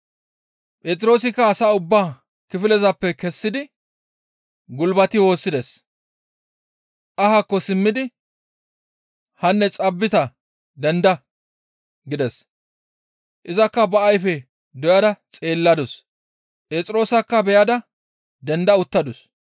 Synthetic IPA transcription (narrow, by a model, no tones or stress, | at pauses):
pʼeːt͡sʼɪɾo̞ːs̬ɪkːɐːsaːʊbːaː | kɪfɪlɛzɐpːɛkɛsːɪd̪ɪ | ɡʊlbɐt̪ɪwo̞ːsːɪd̪ɛs | ʔɐhakːɔsɪmːɪd̪ɪ | hɐnːɛt͡sʼɐbːɪt̪ɐ | d̪ɛnd̪ɐ | ɡɪd̪ɛs | ʔɪzɐkːɐbɐʔɐjfɛ | d̪ɔjɐd̪ɐt͡sʼe̞ːlːɐd̪ʊs | pʼeːt͡sʼɪɾo̞ːsɐkːɐbɛjɐd̪ɐ | d̪ɛnd̪ɐʊt̪ːɐd̪ʊs